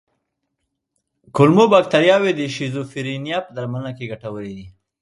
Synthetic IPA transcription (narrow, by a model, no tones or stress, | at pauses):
kʊlmobak̚t̪aɾjɑwed̪əʃizofiɾinijɑpəd̪aɾmanakeɡaʈawəlid̪i